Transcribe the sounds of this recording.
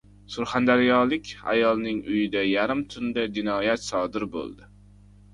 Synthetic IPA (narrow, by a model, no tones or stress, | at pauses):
sʊɾχand̪aɾɪjɒlˠɪkʲa̰jɒlˠnɪŋʊjɪd̪ajaɾɪmt̪ʰʊnd̪ad͡ʒɪnɒːjat̪sɒd̪ɪɾbo̰lˠd̪ɪ